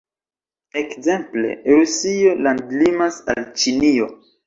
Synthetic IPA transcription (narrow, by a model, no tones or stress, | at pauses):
ekze̞mple̞̰ɾusio̞landlimasa̰lt͡ʃinio̞